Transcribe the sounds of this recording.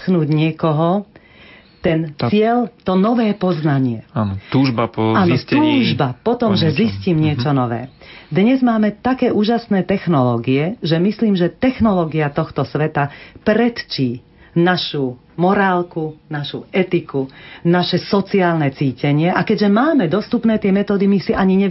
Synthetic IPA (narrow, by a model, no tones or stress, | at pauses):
xnuːɟɲɪɛkɔɦɔ | t̪ɛnsɪɛlt̪ɔnɔʋɛːpɔznaɲɪɛant̪uːʒbapaːnɔt̪uːʒbapɔt̪ɔmʒɛzisciːmɲɪɛt͡ʃɔnɔʋɛ̰ːd̪ɲɛzmaːmɛt̪akɛːuːʒasnɛːt̪ɛxnɔlɔːɡiɛʒɛmisliːmʒɛt̪ɛxnɔlɔːɡiat̪ɔxt̪ɔsʋɛt̪apɾɛt̪t͡ʃiː | naʃu | mɔɾaːlkunaʃṵɛt̪ikunaʃɛsɔt͡siaːlnɛt͡siːcɛɲɪɛʔakɛɟʒɛmaːmɛd̪ɔst̪upnɛːt̪ɪɛmɛt̪ɔːd̪imisiʔaɲiɲɛ